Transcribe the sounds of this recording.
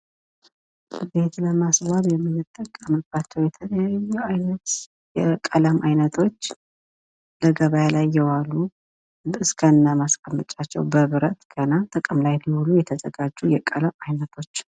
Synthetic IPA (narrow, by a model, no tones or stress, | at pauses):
be̞t̪ləmasβaβjɛmːinɨt̪ʼːəkʼːəməb̥at͡ʃːɛwjɛt̪ʰələjajːuajnət̪ | jɛkʼələmʔajnət̪ʰo̞t͡ʃː | ləɡəβajalajːɛwalːu | ɨskʰəɨnːamaskʼəmːət͡ʃʼat͡ʃːɛwbəβɨɾət̪ɡ̥ənat̪ʼəkʼəmlajlihulujɛt̪ʰəzəɡad͡ʒːujɛkʼələmajnət̪ʰo̞t͡ʃː